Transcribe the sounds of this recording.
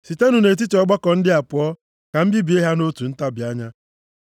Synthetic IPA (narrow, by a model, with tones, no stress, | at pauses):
si˨te˦nu˨ne˨t̬i˦ti˨ɔ˦ɡ͡ba˦kɔ˨n̩˦dɪ˦a˨pʊ˨ɔ˦ | ka˨m̩˦bi˦bi˨e˦ɦa˦no˦tu˨n̩˦ta˦bja˦ɲa˦